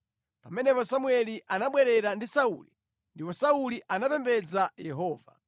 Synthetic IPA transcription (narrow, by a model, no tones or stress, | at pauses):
pamɛnɛpɔsamuɛliʔanaɓwɛɾɛɾandisaṵli | ndipɔsauliʔanapɛmbɛd͡zajɛɦɔːva̰